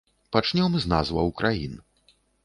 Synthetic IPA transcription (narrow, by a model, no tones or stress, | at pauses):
pat͡ʂnʲɔmzna̰zvɐwkɾʔajḭn